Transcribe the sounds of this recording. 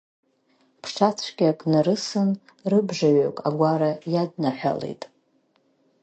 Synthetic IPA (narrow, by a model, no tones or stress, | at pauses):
pʰʂʰat͡sʷʰɡʲakʼnaɾɨsɨn | rɨbʐaɥokʼa̰ɡʷaɾajadnaħʷᶣa̰lḛjtʼ